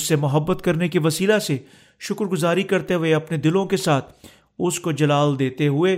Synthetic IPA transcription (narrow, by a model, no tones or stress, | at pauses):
sːemʊɦəbːət̪kɐɾnekiʋɐsiːlase | ʃʊkɾɡʊzaːɾikɐɾt̪eɦʊeɐpned̪ɪlõkesaːt̪ʰ | ʊskod͡ʒɐlaːld̪eːt̪eɦʊeː